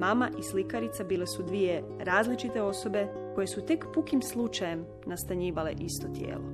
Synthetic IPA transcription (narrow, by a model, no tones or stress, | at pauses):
mamaʔislikaɾit̪sabiːle̞sud̪ʋije̞ | ɾaːzlit͡ʃit̪e̞o̞so̞be̞ | ko̞je̞sut̪e̞kpukimslˠut͡ʃaje̞m | nast̪aɲiːʋale̞̰ʔist̪o̞t̪jḛːlˠo̞̰